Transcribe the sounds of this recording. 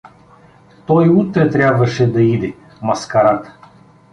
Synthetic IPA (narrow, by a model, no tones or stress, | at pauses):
t̪ɔjut̪ɾət̪ɾʲabvɐʂɛd̪ɐid̪ʲɪ | mɐskɐɾat̪